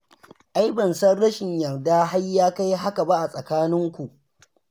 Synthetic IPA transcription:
ʔa˦jbɐ˨nsɐ˦rɽɐ˦ʃɪ˨ɲjɐ˨rdaː˦ɦa˦jːaː˦ka˦jɦa˦ka˨ba˦ʔa˨sʼɐ˨kaː˦nɪ˦ŋkʷu˨ʔ

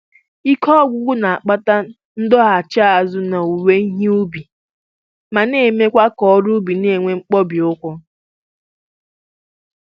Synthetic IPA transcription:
i˦kɔ˦ɔ˦ɡʷʊ˦ɡʷʊ˦na˨a˨k͡pa˦ta˦ | n̩˦dɔ˦ɦa˨t͡ʃa˦a˨zʊ˦na˨u˨we˦i˦ɦi˦u˦bi˨ | ma˨ne˦˨me˦kʷa˦kɔ˦ɾu˦bi˨ne˨ŋʷe˦ŋ͡m̩˦k͡pɔ˦bi˨ʊ˦kʷʊ˦

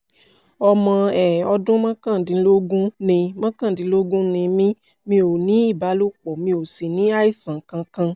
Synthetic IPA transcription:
ɔ˧mɔ̃˧ɛ˨ɔ˧dũ˦mã˦kã˦˨dĩ˧˦lo˦ɡũ˦nĩ˧mã˦kã˦˨dĩ˨˦lo˦ɡũ˦nĩ˧mĩ˦ | mĩ˧˦o˨nĩ˨˦i˦˨ba˨˦lo˦k͡pɔ˨mĩ˧o˨si˨nĩ˨˦a˦i˦˨sã˨kã˧kã˧

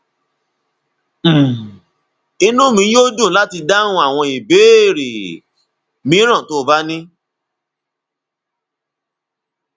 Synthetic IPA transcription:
i˧nũ˦˨mĩ˧˦jo˦d͡ʒũ˦˨˦la˦ti˧da˦nũ˦a˦˨w̃ɔ̃˧i˨be˨˦˨ɾi˨ | mĩ˨˦ɾ̃ã˦˨to˨˦˨ba˦nĩ˦

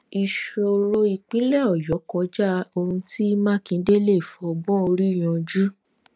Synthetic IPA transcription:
i˨ʃo˨ɾo˧i˨k͡pĩ˨˦lɛ˦˨ɔ˨jɔ˨˦kɔ˧˦d͡ʒa˦o˧hũ˧ti˦mãː˦˨kĩ˨˦de˦le˦˨fɔ˧bɔ̃˦o˧ɾi˦˨j̃ɔ̃˨˧d͡ʒu˦

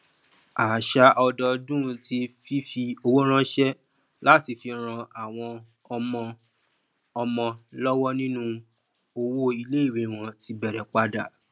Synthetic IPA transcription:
a˨ʃa˧ʔɔ˧dɔ˧dũ˦˧ti˧fi˦fi˧o˧wo˦ɾ̃ã˦ʃɛ˦ | la˦ti˧fi˧ɾ̃ã˧a˨w̃ɔ̃˧ | ɔ˧mɔ̃˧ | ɔ˧mɔ̃˧lɔ˦wɔ˦nĩ˦nũ˦ | o˧wo˦i˧le˦i˦˨wi˨˦˨w̃ɔ̃˧ti˧bɛ˨ɾɛ˨k͡pa˧da˨

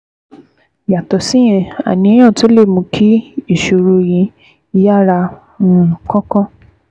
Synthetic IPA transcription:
ja˨tɔ˨si˦j̃ɛ̃˧˨a̰˨nĩ˧ɛ˦j̃ã˦˨to˦le˦˨mũ˧kʰi˦i˦˨ʃo˧ɾu˧j̃ĩ˧ | i˧ja˦ɾa˧ | nũ˦˨kɔ̃˦kɔ̃˦

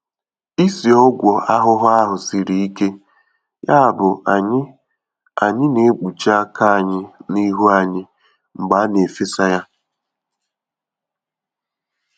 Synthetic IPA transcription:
i˦si˨ɔ˦ɡʷɔ˨ʔa˦ɦʊ˦ɦʊ˦a˦ɦʊ˨si˨ɾi˨i˦ke˦ | ja˦a˨bʊ˨ɲ˦ | a̰˨ɲɪ˦ne˨˦k͡pu˨t͡ʃa˦a˦ka˦a˨ɲɪ˦ni˦ɦu˦a˨ɲɪ˦ | ŋ͡m̩˨ɡ͡ba˨˦ne˨fe˦sa˦ja˦

